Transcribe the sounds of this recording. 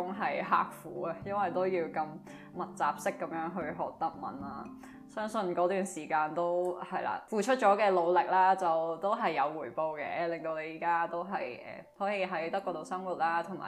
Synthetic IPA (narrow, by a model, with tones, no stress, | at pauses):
ʊ˥ŋɦɐ˨jɦa̰ː˨k̚fuː˨˥ɐ˧jɐ˥nwɐ˨jt̪o˥wjiː˧wkɐ˧m | mɐ˨t̚t͡sa̰ː˨p̚sɪ˥kːɐ˨˦mjœː˨˥ŋɦɵ˧ɥɦɔː˨k̚t̪ɐ˥k̚mɐ̰˨˩nlaː˥ | sœː˥ŋsɵ˧nkɔː˨˥t̪yː˨˩nsiː˨˩kaː˧nt̪o˥whɐ˨jla̰ː˨˧fuː˨˧t͡ʃʰɵ˥t̚t͡ʃɔː˨˥kɛː˧lo˨˧wlɪ˨k̚laː˥t͡sɐ˨wt̪o˥wɦɐ˨jːɐ˨˧wːuː˨˩jpo˧wkɛ̰ː˧˥lɪ˨˩ŋt̪o˧wne˨˧jiː˨˩kaː˥t̪o˥wɦɐ˨jʔɛ̰ː˨˩hɔː˨˥ji˨˧ɦɐ˨˥jt̪ɐ˥kːɔː˧t̪o˨˧wsɐ˥ŋwuː˨˩t̚laː˥t̪ʰʊ˨˩ŋma̰ː˨˩